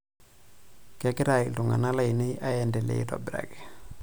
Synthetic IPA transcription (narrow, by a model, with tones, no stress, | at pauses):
kɛ˦kɪ˦ɾa˨i˨lu˨ŋa̰˨na˦la˦˨i˨ne˦ʔa˦jɛ˨ndɛ˨lḛ˨ḭ˦tɔ̰˨bɾa̰˨kɛ̥˨